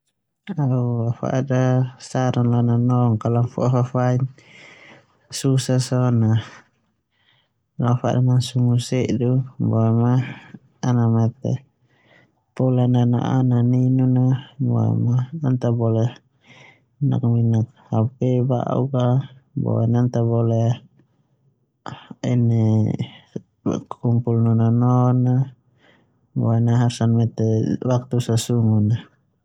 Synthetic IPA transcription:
auafa̰dasaɾanlananɔŋkalamfṵafafain | susasɔna | lafa̰damansumusɛʔdubɔmaː | namat̪ɛ̰ | pɔlanana̰ʔa̰naninunaboa̰maant̪abɔle | na̰k̚minak̚ | hapɛba̰ʔṵkabɔ̰anant̪abɔle | ine | kkumpulnɔnɔnɔna | boanaɦasanmɛt̪ɛwak̚t̪usasuŋuna

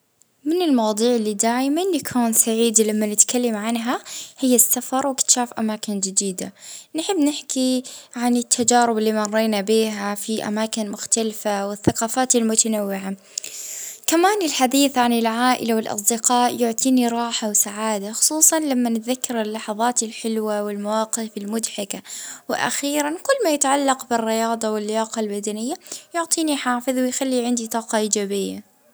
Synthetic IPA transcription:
mɪnɪlmɑwd̪ˤuːʕɪlːid̪aːʕimɪnːakʰuːnsaʕiːd̪lamːanɪt̪kalːamʕanɦahɪjːasːafɑɾˤwɪkt̪ʃaːfʔamaːkɪnd͡ʒɪd̪iːd̪anħɪbːnɪħkiʕanɪt̪ʰːad͡ʒaːɾɪbɪlːiːmɑrˤːeːnabiːɦafiʔa̰maːkɪnmʊxt̪alfawɪθːaqɑːfaːt̪ɪlmʊt̪anawːɪʕa | kamaːnɪlħad̪iːθʕanɪlʕaːʔɪ̰lawɪlʔɑ̰s̬ˤd̪ɪqɑːʔjʊʕt̪ˤiːniɾˤɑːħawsaʕaːd̪axʊ̥sˤuːsˤɑnlamːanɪt̪ðakːɑɾˤɪlːɑħɑðˤɑːt̪ɪlħɪlwawɪlmawɑːqɪfɪlmʊd̪ħɪkawɪʔa̰xiːɾankʊlːmaːjat̪ʕalːɑqbɪrːɪjɑːd̪ˤɑwɪlːɪjaːqɑlbad̪anɪjːajʊʕt̪ˤiːniħaːfɪðwɪjxalːiʕɪnd̪it̪ˤɑːqɑʔiːd͡ʒaːbɪjːa̰

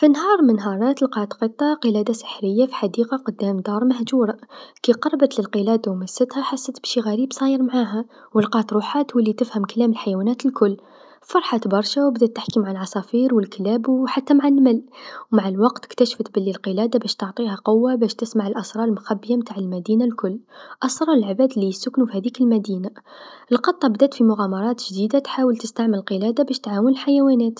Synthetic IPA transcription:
finɦɑɾˤmənɦɑɾˤɑt̪lqɑt̪qət̪ˤːɑqəlæd̪asə̥ħɾəjːafi̥ħad̪iqɑqʊd̪ːæmd̪ɑɾˤmæhd͡ʒuɾˤɑkiqɑrˤɑbət̪ləlqəlæd̪awmæsːət̪hæħasːət̪b̥ʃiɣæɾiːbsˤɑjəɾˤmʕaɦæ | wəlqɑt̪ɾˤuħat̪huwlːit̪əfhəmkælæməlħajwænæt̪lkʊlː | fɑɾˤħat̪bɑɾˤʃawbd̪æt̪ːaħkimaʕalʕɑsˤɑfiɾwəlklæbwħat̪ːamaʕanmælwmaʕalwɑqt̪ə̥kt̪æʃft̪bælːilqəlæd̪abæʃt̪oʕt̪ˤihæqʊwːabæʃt̪əsmaʕəlʔɑsɾˤɑlmʊxæbːjamt̪aʕəlmæd̪inalkʊlːʔɑsɾˤɑɾəlʕbæd̪lijəsːʊknufihæd̪ikəlmæd̪inaʔəlqɑt̪ˤːɑbd̪æt̪fimʊɣæmɑɾˤɑt̪ʒd̪id̪at̪ħawəlt̪əst̪aʕmələlqəlæd̪abæʃt̪ʕawənəlħajæwænæt̪

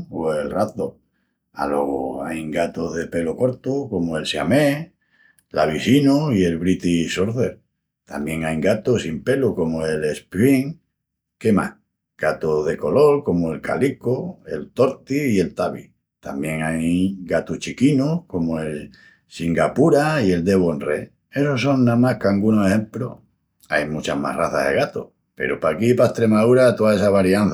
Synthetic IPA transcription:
oe̞lrat̪o | a̰lo̞̰ɣo̰ajŋɡat̪oɦðe̞pe̞loko̞ɾt̪oko̞moe̞lsjame | laβ̞isinoie̞lβɾit̪isoɾðeɾ | t̪a̰mbjẽ̞ŋajɡat̪osimpe̞luko̞moe̞lespɾiŋ | ke̞mah | ɡ̥at̪oðe̞ko̞lo̞ɾko̞moe̞lka̰likoe̞̰lt̪o̞ɾt̪iːe̞lt̪aβḭ | t̪a̰mbjẽ̞ŋajɡat̪uht͡ʃikinohko̞moe̞l | siŋɡapuɾaie̞ld̪e̞βoenre | e̞soso̞ŋnãmahkaŋɡunoehẽ̞mplo̰ | ajmut͡ʃahma̰raθa̰ðeɣat̪o̰ | pe̞̰ɾopakipaest̪ɾe̞maðuɾat̪oae̞saβaɾjanθ

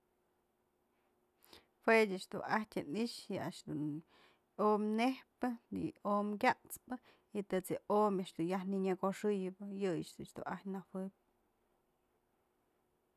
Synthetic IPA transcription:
fwedʲɨʔt͡ʃd̪uahtʲɨniʔʂjɨa̰ʔʂd̪un | omnehpɨnḭomkʲaʔt͡spɨ | it̪ɨt͡sɨʔomaʔʂd̪unjahniɲɨɡoʂɨjɨbɨjɨjɨt͡ʃd̪ut͡ʃd̪ṵʔahtʲnawɨp̚ʲ

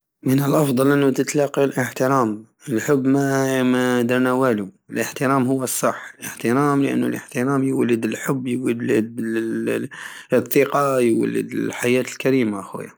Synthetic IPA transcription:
mənəlʔɑfd̪ˤɑlʔənːut̪ət̪lɑqːilʔəħt̪ɪɾaːm | ɪlħʊbːmamad̪ɑɾnawaːlu | ɪlʔəħt̪ɪɾaːmhʊwːəsˤːɑħːəlʔə̰ħt̪ɪɾaːmlɪʔa̰nːulʔə̰ħt̪ɪɾɑːmjwalːəd̪ɪlħʊbːjwad̪əd̪ | əθˤːiqɑjwa̰lːə̰d̪ɪ̰lħajaːt̪əlkaɾiːmaʔaxwɪ̰ja

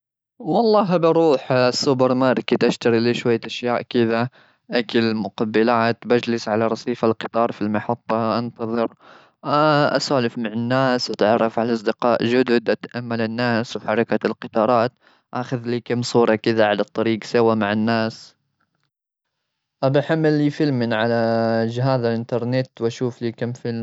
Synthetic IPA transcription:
wɑlˤːɑːɦabʔɑɾˤuːħsʊbɪɾmaɾˤkɪt̪ʔaʃt̪aɾiliːʃwajːaʔaʃjaːʔkɪða | ʔakalmʊqabːɪlaːt̪bad͡ʒlɪsʕalaɾˤɑsˤiːfalqɨ̥t̪ˤɑːɾˤfilmɑħɑt̪ˤːɑʔant̪ɑðˤɨɾ | ʔa̰saːlɪfmaʕɪnːaːsʔat̪ʕɑrˤːɑfʕalaʔɑsˤd̪ɪqɑːʔʒʊd̪ʊd̪ʔat̪aʔamːalɪnːaːswħɑɾˤɑkalqɨt̪ˤɑːɾˤɑːt̪ | ʔaxaðliːkamsˤuːɾˤɑkɪðaʕalɑt̪ˤːɑɾiːɡsawamaʕɪnːaːs | ʔabaħamːɪlːiːfɪlmɪnʕalad͡ʒɦaːðalʔɪnt̪ɑɾˤnɪt̪wʔaʃuːfliːkamfɪl

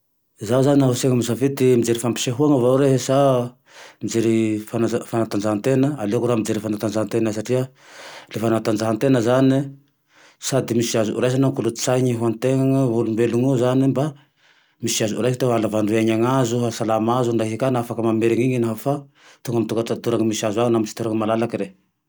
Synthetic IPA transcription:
zawzaninaɦuseŋəmisavit̪imid͡zeɾifampi̥seɦuaŋavauɾeɦsa | mid͡zeɾifanafanat̪and͡zaɦant̪enəalekuɾamid͡zeɾifanat̪and͡zaɦant̪enasaʈ͡ʂia | lefanat̪and͡zaɦant̪enəzani | sad̪imisiazuʔṵɾajs̬anaŋkulu̥t͡saɲiɦuant̪eŋaŋavulumbeluŋuzanimba | misiazuṵɾajsit̪eɦalavaɳɖ͡ʐueɲaŋazuɦasalamazuɳɖ͡ʐaɦikanafakəmameɾiŋiɲinaɦafa | t̪uŋɡamit̪uɡat̪at̪uɾaŋamisiazwaŋnamisi̥t̪uɾaŋəmalalakiɾe

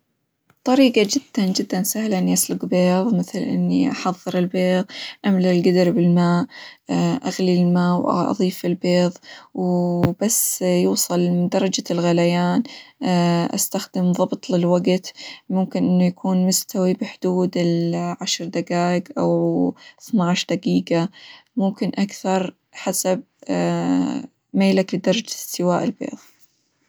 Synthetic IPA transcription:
t̪ˤɑɾiːqɑd͡ʒɪd̪̥ːand͡ʒɪd̪ːansahlaʔɪnːiʔaslʊɡbeːðˤmɪθlʔɪ̰nːiʔɑħɑðˤːɨɾɪlbeːðˤʔamlalɡad̪ɾbɪlmaːʔ | ʔaɣlilmaːwʔʔɑ̰ðˤiːfɪlbeːðˤwb̥asːjuːsˤɨlmɪd̪ɑɾˤɑd͡ʒalɣalajaːn | ʔa̰st̪axd̪ɪmðˤɑbt̪ˤlɪlwaɡt̪mʊmkɪnʔɪnːujakʰuːnmʊst̪ʰawibɪħʊd̪̥uːd̪ɪlʕaʃɾd̪aɡaːɪɡʔawθnaʕʃd̪aɡiːɡamʊmkɪnʔakθɑɾˤ | ħasab̚ | meːlaklɪd̪ɑɾˤɑd͡ʒsɪwaːʔɪlbḛːðˤ

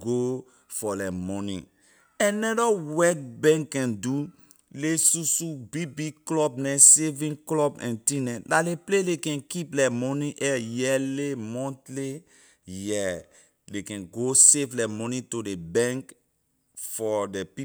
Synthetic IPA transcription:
ɡo | fɔlɛmɔnḭ̃ | ɛ̃nɛdɔwɛk̚bɛ̃ŋkːɛ̃ndu | lesusubibiklɔbnɛsevĩnklɔbɛ̰̃ntĩnɛ̃daleplelekɛ̃nkiplɛmɔnĩʔɛjɛlemɔ̃ntle | jɛ | dekɛ̃nɡoseflɛmɔnĩtodebɛ̃ŋk | fɔdepi

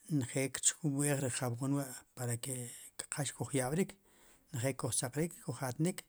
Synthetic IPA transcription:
nχeʔkt͡ʃkuɓweːχɾiχawonwaʔpaɾakekḁqʰaʃkuχjaɓɾiːk | nχeʔkuχt͡saqɾiːkkːuχat̪nik

